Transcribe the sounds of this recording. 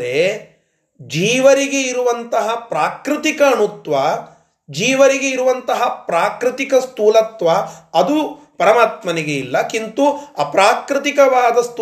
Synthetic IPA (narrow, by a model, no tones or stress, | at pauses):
ɾe | d͡ʒiːʋɐɾiɡe̞iɾuʋɐnt̪ɐɦɐpɾaːkɾɪt̪ikɐːɳut̪ʋɐ | d͡ʒiːʋɐɾiɡe̞iɾuʋɐnt̪ɐɦɐpɾaːkɾɪt̪ikɐst̪uːlɐt̪ʋɐɐd̪u | pɐɾɐmaːt̪mɐniɡeilːɐkint̪uɐpɾaːkɾɪt̪ikɐʋaːd̪ɐst̪